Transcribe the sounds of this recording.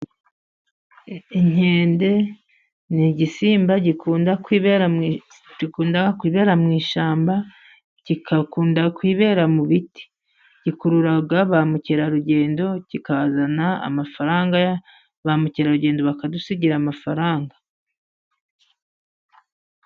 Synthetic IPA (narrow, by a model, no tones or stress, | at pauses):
iɲ̥e̞ːnde̞ | niɟisiːmbaɟikuːndakwiːβe | ikuːndaɡakwiːβe̞ːɾamŋiːʃaːmba | cikʰakuːndakwiːβe̞ːɾamuβiti̥ | ɟikuɾuɾaɡaβamuceɾaɾuɟe̞ːndo̞cikaazanaa̰mafaɾaːŋɡa | βamuciɾaɾuɟe̞ːndoβakadusiɟiɾamafaɾaːŋɡa